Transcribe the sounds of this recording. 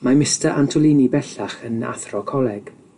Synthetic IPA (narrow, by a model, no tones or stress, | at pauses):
mamɪstəʔantʰʊlˠiːnibɛɬaχəna̰θrɔkʰɔlˠɛɡ̥